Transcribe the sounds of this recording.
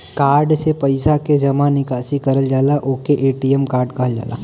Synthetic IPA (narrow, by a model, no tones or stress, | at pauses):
kaːɾɖsepɐɪsaked͡ʒɐmanɪkaːsikɐɾəld͡ʒaːlaʔoːkeʔeːʈiemkaːɾɖkɐɦəld͡ʒa̰ːla̰ː